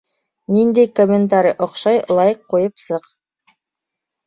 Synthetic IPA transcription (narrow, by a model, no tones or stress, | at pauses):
nind̪ejkomʲːent̪aɾʲḭʔŏqʃɑjlˠɑjɤqːujɤpsɤq